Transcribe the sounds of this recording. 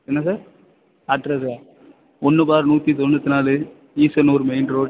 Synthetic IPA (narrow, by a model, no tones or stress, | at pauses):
ɛnːɐsaːɾ | ɐʈɾɐsaːɾ | ɔnːɯbaːɾnuːt̪ːit̪̬ɔndɐt̪ːɯnaːlɯ | iːsɐnuːɾmeɪnɾoːɖ